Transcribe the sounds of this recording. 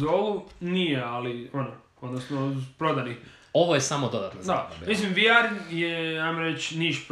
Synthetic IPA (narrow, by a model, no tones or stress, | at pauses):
d̪oɡunijealiono | od̪nosnopɾod̪ani | oʋojesamod̪od̪at̪nod̪amis̬ĩmʋiaɾjeajmoɾet͡ʃniʃp